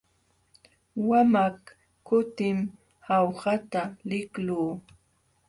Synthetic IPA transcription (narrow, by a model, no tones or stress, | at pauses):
wamak | kːʊt̪ɪm | hawhat̪alɪkluː